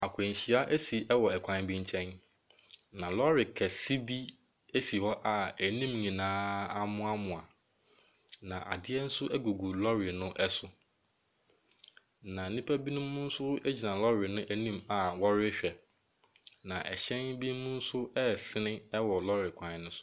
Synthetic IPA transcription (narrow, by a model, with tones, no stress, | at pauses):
a˨kʰẽ˨ɲ˨ɕi˨a˦ʔe˦si˨ʔɛ˦wɔ˨ɛ˨kʰã˨n˨˦bĩ˦ɲ˦t͡ɕʰɛ̃˦n | nã˨lɔ˦ɾɪ˨kʰɛ˨si˦bi˦ | e˦si˨hɔ˦ʔa˨æ˨nĩ˦mɲĩ˨nãː˦a˦mʊ̃˦a˦mʊ̃˨a˨ | nã̰˨ʔa̰˨dɪ˦ɛ˦n̩˦sʊ˦ʔɛ˦ɡu˨ɡu˨lɔ˦ɾɪ˨nʊ̃˦ʔɛ˦sʊ˨ | nã˨nĩ˦pʰæ˦bi˦nʊ̃˦mʊ̃˦n̩˦sʊ˦e˦d͡ʑi˨nã˨lɔ˦ɾɪ˨nʊ̃˦ʔæ˨nĩ˦ma˨wɔ˦ɾɪ˦ɕᶣɛ˨ | nã˨ʔɛ̰˨ɕɛ̃˦nbi˦mʊ̃˦n̩˦sʊ˦ɛ˦˨sɪ˦nɪ̃˦ɛ˦wɔ˨lɔ˦ɾɪ˨kʷʰã˨nʊ̃˦sʊ̥˦